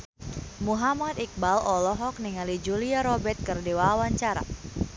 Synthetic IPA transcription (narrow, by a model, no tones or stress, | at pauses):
muɦamat̪ik̚balʔɔlɔɦɔk̚niŋalid͡ʒuliaɾɔbɛt̪̚kərdewaawaɲt͡ʃaɾa̰